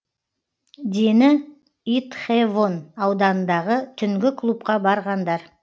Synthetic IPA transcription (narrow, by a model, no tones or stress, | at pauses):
d̪e̞nɪ | it̪χevo̞nɑwd̪ɑnənd̪ɑʁət̪ʰʏŋɡʲɪkʰlˠup̚qɑbɑɾʁɑnd̪ɑɾ